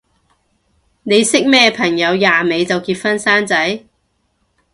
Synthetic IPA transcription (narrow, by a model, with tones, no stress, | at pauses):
ne˨˧jsɪ˥k̚mɛː˥pʰɐ˨˩ŋjɐ˨˧wjaː˨me˨˧jt͡sɐ˨wkiː˧t̚fɐ˥nsaː˥nt͡sɐ˨˥j